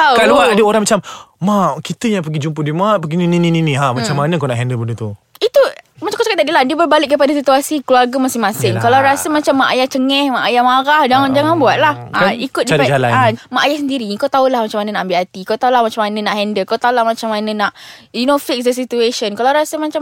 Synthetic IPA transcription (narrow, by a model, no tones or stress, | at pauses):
awaluadəoɾaŋmat͡ʃammakit̪əjaŋpəɡid͡ʒumpədimapəɡininĩnĩninĩɦamat͡ʃamːanəkanaʔɦɛndəbəndət̪u | it̪umat͡ʃakawt͡ʃakat̪adilahdiəbərbalɪʔk̚ːəpadasit̪uasikluarɡamasɪŋmasɪŋkalawɾasəmat͡ʃamːaʔa̰jat͡ʃəŋɛhmaʔajahmaɾahd͡ʒaŋand͡ʒaŋanbuat̪̚lahaikʊt̪̚dadd͡ʒala̰namaʔajahsəndiɾikawt̪aulahmat͡ʃamanənaʔambiɦat̪ikawt̪aulahmat͡ʃamanənaʔhɛndəlkawt̪aulahmat͡ʃamːanənaʔjunofɪk̚sdəsit̪ueʃənkalawɾasəmat͡ʃa